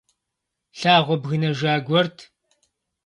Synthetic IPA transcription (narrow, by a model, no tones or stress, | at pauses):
ɬaːʁʷɔbɣɨnɐʒaːɡʷɔrtʰ